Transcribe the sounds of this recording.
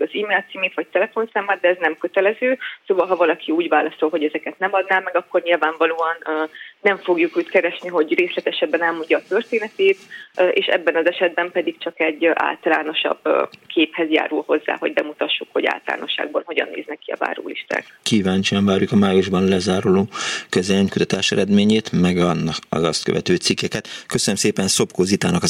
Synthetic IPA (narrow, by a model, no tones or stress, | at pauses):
ɒziːmeːlt̪siːmeːt̪ʋɒc̚t̪ɛlɛfo̞nsaːmːaːrd̪ɛɛznɛmkø̞t̪ɛlɛzøːsoːvɒlɦɒvɒlɒkʰiuːɟvaːlɒso̞lɦo̞ɟɛzɛkɛt̪nɛmɒd̪naːlmɛɡɒkːo̞rɲilvaːɱvɒloːɒnːɛɱfo̞ɡjukuːckɛɾɛʃniɦo̞ɟreːslɛt̪ɛʃɛbːɛnɛlmoɲːɒːt̪ørt̪eːnɛt̪eːt̪ʔḛːʃɛ̰bːɛnɒzɛʃɛd̪̚bɛmpɛd̪ikt͡ʃɒkɛɟːʔa̰ːlt̪ɒla̰ːno̞ʃɒ̰bkʰeːphɛzja̰ːɾulho̞zːa̰ːho̞ɟ̚bɛmut̪ɒʃːukho̞ɟa̰ːlt̪ɒla̰ːno̞ʃːa̰ːɡ̚bɒnɦo̞ɟɒ̰nːḛːznɛkːiɒ̰va̰ːɾo̰ːliʃt̪a̰ːkkiːvaːɲt͡ʃiɒɱvaːɾjukɒmaːjuʒbɒnlɛzaːɾoloːkøzɛliɲkut̪ɒt̪aːʃɛɾɛd̪meːɲeːt̪mɛɡɒnːɒɒ̰zɒst̪kø̰vɛ̰t̪øːt̪sikːɛkɛt̪køsønømseːpɛnso̞pkoːzit̪aːnɒkɒ